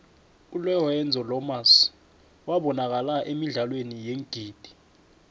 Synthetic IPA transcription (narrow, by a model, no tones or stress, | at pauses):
ulɛɔɛnd͡zʱɔlɔmas | waɓɔnak̬alaʔemiɮalwenijeŋɡ̥ʱiːd̥ʱi̥